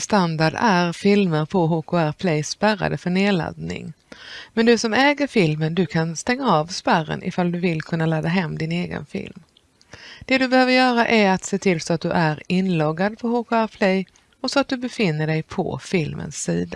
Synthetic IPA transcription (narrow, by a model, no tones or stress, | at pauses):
st̪and̪aɖæɾfɪlməɾpʰɔɦokʊæɾpʰlɛjspæɾa̰d̪əfœɳeːla̰d̪̚nɪ̰ŋ | mɛnd̪ɵsɔmɛːɡəɾfɪlmənd̪ɵkʰanst̪ɛŋːaɑvspæɾːə̰nʔɪ̰fald̪ɵvɪlkʰɵnːalaːd̪ːaɦɛmːd̪ɪneːɡə̰nfɪ̰lm | d̪̥ɛd̪ɵbɛhøːvəɾjœːɾaʔæɾat̪seːt̪ʰɪlsɔat̪̚d̪ɵʔæɾɪnlɔɡːad̪̚pʰɔhokʊæɾpʰlɛj | ɔsɔat̪̚d̪ɵbɛfɪnːəɖɛjpʰɔ̰fɪlmʔə̰nsːḭːd̪a